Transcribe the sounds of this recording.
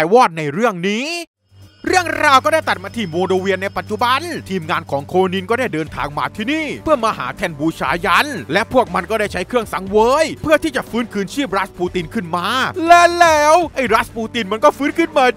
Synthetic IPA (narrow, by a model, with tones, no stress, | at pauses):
wɔː˥˩t̪̚na˧jɾɯ˥˩əŋniː˦˥ | ɾɯ˥˩əŋɾaː˧wkɔː˥˩da˥˩jt̪a˨˩t̪̚maː˧t̪ʰiː˧˩muo˧ɾo˧wi˧ənːa˧jpa˨˩t̪̚t͡ɕu˨˩ba˧nt̪ʰiː˧mŋaː˧nkʰɔː˩˦ŋkʰo˧ni˧nkɔː˥˩daː˥˩jdɤː˧nt̪ʰa̰ː˧ŋma̰ː˧t̪ʰiː˥˧˩niː˥˩pʰɯ˥˩ɐmaː˧ɦa̰ː˩˦t̪ʰɛ˧nbuː˧t͡ɕʰaː˧˩ja˦˧˥nlɛ˦˥pʰu˥˩ək̚ma˧nkɔː˥˩da˥˩jt͡ɕʰa˦˥jkʰɾɯ˥˩əŋsa˨˩˦ŋwɤː˦˥jpʰɯ˥˩ət̪ʰiː˥˩t͡ɕa˨˩fɯː˦˥nkʰɯː˧nt͡ɕʰiː˥˩p̚ɾa˦˥puː˧t̪i˧nkʰɯ˥˩nmaː˧lɛː˦˥lɛː˦˥wʔa˥˩jɾa˦˥t̪̚puː˧t̪i˧nma˧nkɔː˥˩fɯː˦˥nkʰɯː˧˥˩nma˧